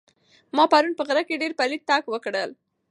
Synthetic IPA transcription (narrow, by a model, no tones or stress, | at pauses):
mɑpaɾunpəɣɾakeɖeɾpalit̪t̪ːɑkwəkɽəl